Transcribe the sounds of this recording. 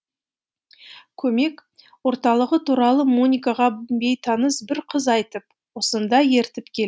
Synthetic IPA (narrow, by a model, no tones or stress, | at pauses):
kʲʰɵme̞k | wo̞ɾt̪ɑlˠəʁət̪ʰuɾɑlˠəmunʲijkaʁɑbe̞jt̪ʰɑnəsbɪɾqʰəzɑjt̪əp̚ | wo̞sənd̪ɑje̞ɾt̪ɪpkʲʰel